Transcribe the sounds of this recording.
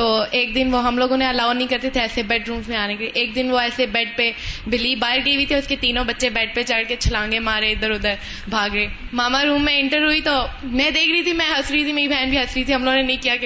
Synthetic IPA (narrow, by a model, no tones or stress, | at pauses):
t̪oːeːk̚d̪ɪnʋoɦɐmloːɡõːnẽɐlaːʊnəɦĩkɐɾt̪et̪ʰeɛːsebɛʈɾũːmsmẽaːnekeʔeːk̚d̪ɪnʋoɛːsebɛːʈ̚pebɪliːbaːɪɾɡəibʱit̪ʰeʊsket̪iːnõbɐtːʃebɛːʈ̚pet͡ʃɐɽket͡ʃʰɐlãːŋɡemaːɾed̪əɾʊd̪əɾ | bʱaːɡɾɐeː | maːmaɾuːmːɛ̃ɪ̃ɳʈəɾɦʊit̪oːmɛ̃ːd̪eːkʰɾəit̪ʰimɛ̃ɦɐsɾəit̪ʰimeːɾibʱɛːnbʱiɦɐsɾit̪ʰiɦɐmloːɡõnenɐɦĩkijake